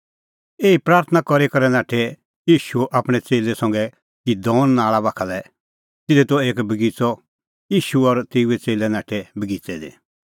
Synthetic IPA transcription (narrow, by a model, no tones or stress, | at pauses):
eːipɾaːɾt̪ʰənakɔɾekɔɾɛnãːʈʰe | jiːʃuʔapɽ̃ɛt͡seːlɛsɐ̃ŋɡɛ | kid̪ɔ̃ːnnaːɭabakʰalɛ | t̪ɪd̪ɛt̪ɔeːkbəɡit͡sɔ | jiːʃuɔɾt̪eːuet͡seːlɛnaːʈʰebəɡit͡sɛd̪ḛ